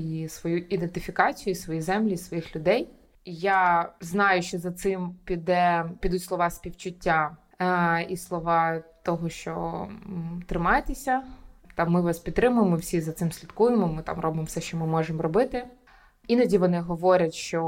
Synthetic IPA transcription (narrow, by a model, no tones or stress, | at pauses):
isʋɔjuid̪ent̪ɪfʲikɑt͡sʲijʊisʋɔjizɛmlʲiisʋɔjixlʲʊd̪ɛj | jaznɑjʊʃt͡ʃɔzɐt̪sɪmpʲid̪ɛpʲid̪utʲslˠɔʋɑsʲpʲiwt͡ʃʊtʲːa | islˠɔʋɑt̪ɔɦɔʃt͡ʃɔ̰ | t̪ɾɪmɑjet̪esʲɐt̪ɑmːɪʋɑspʲit̪t̪ɾɪmʊjemɪwsʲizɐt̪sɪmsʲlʲit̪kujɪmɔmɪt̪ɑ̰mrɔbɪmɔfsɛʃt͡ʃɔmɪmɔʒemɔɾɔbɪt̪ɪ | inɐdʲiʋɔnɪɦɔʋɔɾʲɐtʲʃt͡ʃɔ